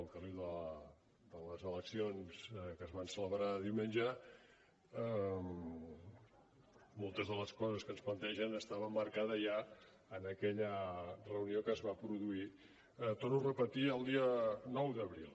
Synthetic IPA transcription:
əlˠkəriðə | d̪ələzələksionz̥kəzβansələβɾaðiwmenʲd͡ʒə | əm | molˠt̪əzðələskɔzəskənsplənt̪ɛʒənəst̪aβəmːəɾkaðəʒa | ənəkɛʎərəuniokəzβapɾuðui | t̪onurəpət̪iəlˠd̪iənɔwðəβɾilˠ

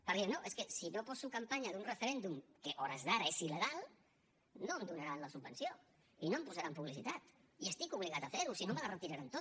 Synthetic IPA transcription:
pəɾðenoʔeskəsinopɔsukampaɲaðunrəfəɾend̪umkəʔɔɾəzðaɾaesiləɣalˠ | noəmd̪unaɾanləsubənsijo | inompuzaɾampuβ̞lisit̪at̪iəst̪ikuβ̞liɣat̪afeɾusinomələrət̪iɾaɾant̪ot̪

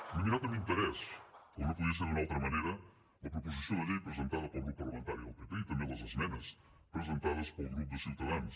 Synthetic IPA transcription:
numiɾat̪ɐmẽt̪ɐɾɛskonɐ̃puðiɐs̬eɾðunmɐowt̪ɾɐmɐnejɾɐ | ɐpɾopuzisɐ̃w̃d̪ɐʎejɐpɾezẽnt̪aðɐpɐlɣɾupupɐɾlɐmẽnt̪aɾjuɐpet̪eit̪ɐ̃mẽd̪ɐzɐsmẽnɐs | pɾezẽnt̪aðɐspɐuɣɾupuðɨsit̪ɐðɐ̃nt̪

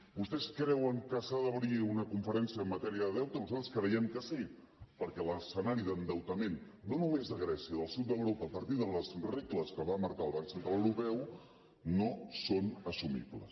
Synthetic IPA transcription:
bust̪ɛskɾɛwəŋkəsaðəβɾiunəkuɱfəɾɛnsiəːmːət̪ɛɾiəðɛwt̪ənuzalt̪ɾə̥skɾəjɛmkəsi | pəɾkɛləsənaɾiðənd̪əwt̪əmenː | onumezðəɣɾɛsiəðəlˠsut̪̚d̪əwɾopəːpəɾt̪iðələzrekləskəβaməɾkalˠβaksənt̪ɾaləwɾupɛw | nosonəsumḭblə̰s

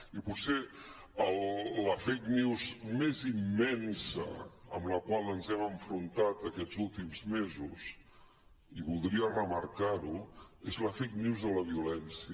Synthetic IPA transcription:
ipuse | əlˠːəfejkniwzmezimːɛnsə̰əmləkwalˠənzɛməɱfɾunt̪at̪əkɛzulˠt̪imzmezus | iβulˠd̪ɾiərəməɾkaɾuezləfejkniwzðələβ̞iulɛnsiə

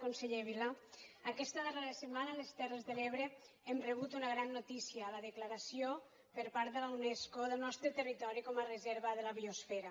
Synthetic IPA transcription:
konseʎeβilaakɛst̪əðəreɾəsəmanaːlest̪ɛrezðəleβɾe | ɛmreβut̪unaɣɾanːot̪isiaːlaðəklaɾasio | pəɾpaɾd̪əlawneskoðəlˠnɔst̪ɾət̪ərit̪ɔɾikɔmarəzɛɾβəðəlaβiosfɛɾa

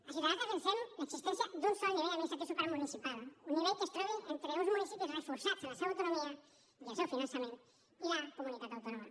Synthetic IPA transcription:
asit̪aast̪asensenlaksist̪ɛnsjad̪unsɔniβejaβisat̪esukaɾmunisipaluniβeʎkest̪ɾɛβiʔent̪ɾeuzmunisipisresfuɾsatzelaseβawt̪unomiɐ | asewfinãnsamẽnt̪ | ilakumunit̪at̪awt̪onoma

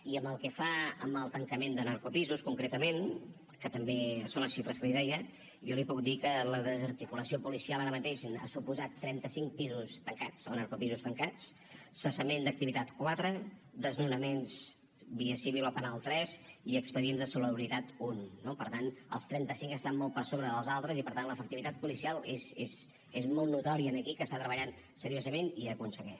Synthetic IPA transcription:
iəməlˠkəfaəmbəlˠt̪əŋkəmend̪ənəɾkupizuskuŋkɾet̪əmen | kət̪əmbesonləsʃifɾəskəliðɛjə | ʒɔlipuk̚d̪ikələðəzəɾt̪ikuləsiopulisialˠaɾəmət̪eʃna̰supuzat̪ːɾɛnt̪əsiŋk̚pizust̪əŋkat͡snəɾkupizust̪əŋkat͡s | səsəmend̪ək̚t̪iβit̪at̪kwat̪ɾə | d̪əznunəmens | biəsiβilopənalˠt̪ɾɛziəkspəðienzðəsuləβɾit̪at̪unːopəɾt̪anə̰lˠst̪ɾɛnt̪əsiŋkəst̪ammɔl̚ˠpəɾsoβɾəðəlˠzalˠt̪ɾəzipəɾt̪anləfək̚t̪iβit̪at̪̚pulisialˠezez | ezmɔlˠnut̪ɔɾiənəkikəst̪at̪ɾəβəʎan | səɾiozəmeniəkunsəɣɛʃ

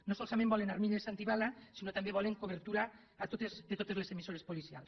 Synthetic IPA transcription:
nosolsamẽmbɔlenaɾmiʎesant̪iβalasinot̪ambjeβɔleŋkoβ̞eɾt̪uɾaː | t̪ot̪ezðet̪ot̪e̞zlesemisoɾe̞spolisia̰ls

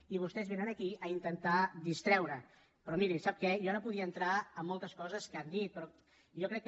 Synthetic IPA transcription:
iβ̞ust̪ɛzβenənəkiəint̪ənt̪ad̪ist̪ɾɛwɾə | pɾɔmiɾisap̚kɛjɔnopuð̞iəːnt̪ɾaəmːɔlˠt̪əskɔzəskand̪it̪̚pɾɔ | ʒɔkɾɛkː

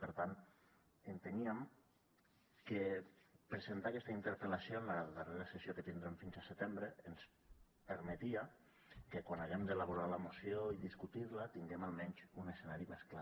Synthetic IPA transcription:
pəɾt̪an | ənt̪eniəm | kepɾəzent̪akɛst̪aint̪əɾpəlasionləðəreɾasəsjokət̪ind̪ɾemfinzasət̪embɾəːns | pəɾmet̪ia | kekwanaɣemd̪elaβ̞uɾaləmusioiðiskut̪iɾlət̪iŋɡemalˠmɛɲʲzunəsenaɾimeskla

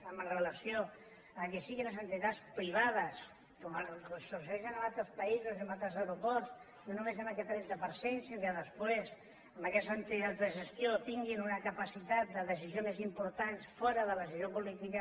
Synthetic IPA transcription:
əmərələsjo | əkesiɣinləsənt̪it̪aspɾiβ̞að̞əs | koməəsosɛʃənəmalˠt̪ɾəspəizuzəmbalt̪ɾəzəwɾupɔɾs | nonumezəməkɛt̪ɾɛd̪əpəɾsensinkəðəspwes | əmbəkɛst̪ənt̪it̪azd̪əʒəst̪jot̪iŋɡinunəkəpasit̪at̪̚d̪əðəs̬izionezimpuɾt̪ansfɔɾəðəlðəsizjopulit̪ikə

